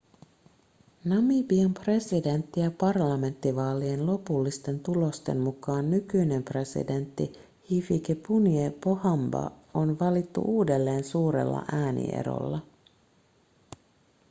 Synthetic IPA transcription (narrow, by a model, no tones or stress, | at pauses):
nɑmibiempre̞side̞nt̪ːijɑpɑrlɑme̞nt̪ːiʋɑːlie̞nlo̞pulːist̪e̞nt̪ulo̞st̪e̞nmukɑːnːykyjne̞mpre̞sḭde̞nt̪ːi | hifikepuniepohɑmbɑ̰o̞nʋɑlit̪ːṵʔuːde̞lːe̞ːnsuːɾe̞̰lːɑ̰ʔæːnḭʔḛɾo̰lːɑ